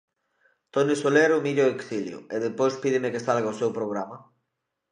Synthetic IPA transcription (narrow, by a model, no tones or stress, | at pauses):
t̪onɪsoleɾʊmiʎoeksiljʊ̰eðepojspiðɪmekesalɣaosewpɾoɣ̞ɾama